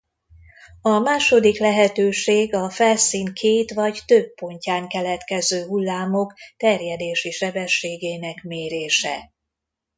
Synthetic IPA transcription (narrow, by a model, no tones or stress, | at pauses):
ɒmaːʃo̞d̪iklɛɦɛt̪øːʃeːɡɒfɛlsiːŋkʰeːt̪ʋɒɟt̪øbːo̞ɲcaːŋkɛlɛt̪kɛzøːɦulːaːmo̞kt̪ɛrjɛd̪eːʃiʃɛbɛʃːeːɡeːnɛkmeːɾeːʃɛ̰